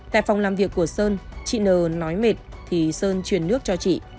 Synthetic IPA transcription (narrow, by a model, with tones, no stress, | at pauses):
t̪a̰ː˧˨jfa˨˩wŋ͡mlaː˨˩mvi˨˩əkːu˧˩əsəː˧nt͡ɕḭ˧˨nəː˨˩nɔ˨˦jme˨˩t̚t̪ʰi˨˩səː˧nt͡ɕwi˨˩ənːɨ˦˥ək̚t͡ɕɔ˧t͡ɕḭ˧˨